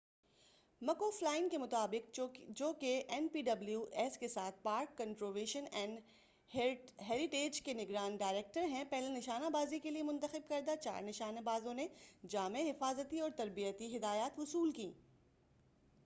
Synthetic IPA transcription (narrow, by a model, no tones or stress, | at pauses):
mɐkoːflaːɪnkemʊt̪aːbɪkd͡ʒoːkeʔɛnpiːɖɐbljuʔɛskesaːt̪̚ʰpaːɾkːɐ̃nʈɾoːʋeːʃənɛ̃ːɳɖ | ɦɛːɾɪʈeːd͡ʒkenɪɡɾaːnɖaːɪɾeːk̚ʈəɾɦɛ̃pɛɦlenɪʃaːnabaːzikeliemʊ̃nt̪əxɪb̚kɐɾd̪at͡ʃa̰ːɾnɪʃaːnabaːzõned͡ʒaːmẽɦɪfaːzət̪iɔːɾt̪ɐɾbijət̪iɦɪd̪aːjaːt̪ɦʊsuːlkĩː